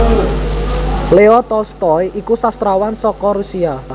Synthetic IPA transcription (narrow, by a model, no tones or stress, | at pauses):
leɔt̪ɔlst̪ɔjikusast̪ɾawansɔkɔɾusia